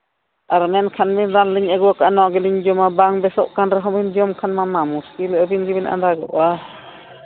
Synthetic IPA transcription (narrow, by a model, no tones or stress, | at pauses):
ʔaɾmɛnkʰanbinɾanliɲaɡuakanɔʔɡiliɲd͡ʒɔmabaŋbɛsɔ̰ʔkanɾaɦɔbind͡ʒɔmkʰanmamamuskilʔabinɡibinʔa̰ndaɡɔ̰ʔa